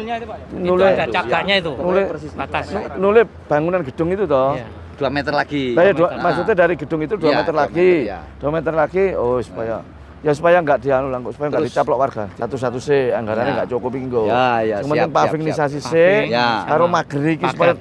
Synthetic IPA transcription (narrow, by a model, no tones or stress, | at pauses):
nulɪḁaɲait̪unulɪanunulɪh | b̥a̤ŋunanɡə̤d̥ʊŋit̪ut̪ɔh | d̥uamet̪ərlaɡidajaduamas̬ut̪edaɾiɡə̤d̥ʊŋit̪uduamet̪ərlaɡid̥uamet̪ərlaɡ̥iosu̥paja | jas̬upajaŋɡaʔd̥ianulaŋsu̥pajaŋɡaʔdi̤t͡ʃap̬lɔʔwarɡ̥asat̪us̬at̪useaŋɡaɾaneŋɡaʔt͡ʃokɔpiŋɡosəŋmənɪŋpafiknisas̬isekaɾomaɡ̥əɾikisupaja